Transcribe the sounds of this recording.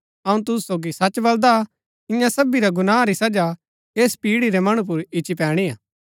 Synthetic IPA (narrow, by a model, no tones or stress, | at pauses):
ɐũt̪ʊssoːɡisɐt͡ʃbɐld̪a | ɪ̃jãsɐbiɾaɡʊnaːɾisɐd͡ʒa | eːspiːɽiɾɛmɐɽ̃ũp̬ʊɾɪt͡ʃipɛːɽ̃iaː